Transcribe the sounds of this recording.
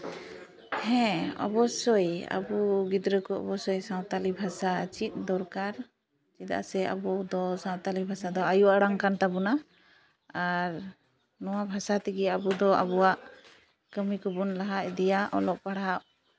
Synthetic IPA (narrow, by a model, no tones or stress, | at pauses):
hɛ̃ɔ̰bɔsɔja̰buɡid̪ɾəkɔɔ̰bɔsɔjsãwt̪alibʱasat͡ʃit̪̚ˀd̪ɔɾkaɾ | t͡ʃit̪a̰ʔsɛa̰bud̪ɔsãw̃t̪alibʱasad̪ɔajuaɽaŋkant̪abɔna | aɾ | nɔwabʱasat̪iɡɛabud̪ɔa̰bɔaʔ | kəmikɔbɔnlaɦaʔd̪ɛjaʔɔ̰lɔʔ̚paɽaʔ